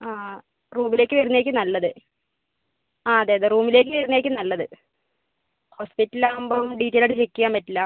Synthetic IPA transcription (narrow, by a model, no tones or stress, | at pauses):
aː | ruːmile̞ːkːɨʋɐɾunːe̞ːkːɨnɐlːɐðɨ | aːɐðeːɐðeruːmile̞ːk̬ːɨʋɐɾinːeːk̬ʲːɨnɐlːɐðɨ | ho̞ːspitːɐlaːumboːumɖiːtːejlɐɽɨt͡ɕekːijaːmpɐtːilaː